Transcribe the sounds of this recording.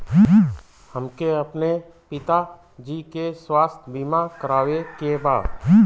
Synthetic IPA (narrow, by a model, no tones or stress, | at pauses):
həmkeəpne | pɪt̪a | d͡ʒiːkeswaːst̪ʰbiːmakəɾaːʋekeba̰ːd̪